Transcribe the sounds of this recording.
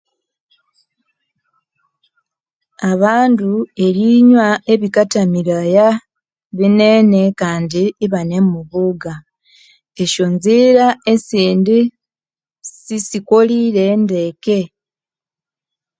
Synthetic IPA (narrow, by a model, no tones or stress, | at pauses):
aβaːndue̞ɾiɲwae̞βikatamiɾaja | βine̞ne̞kaːndiːβane̞mumuβuɡa | e̞ʃo̞nziɾaesiːndi | sisikoliɾe̞nde̞ke̞